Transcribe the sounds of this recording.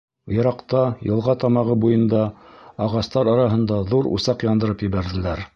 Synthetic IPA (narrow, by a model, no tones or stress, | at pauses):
jɤ̆ɾɑqt̪ɑjɤ̆lˠʁɑt̪ɑmɑʁɤbujɤ̆nd̪ɑɑʁɑst̪ɑɾɑɾɑɦɤ̆nd̪ɑðuɾṵsɑqjɑnd̪ɤ̆ɾɤpjɘ̆βæɾðɘ̆læɾ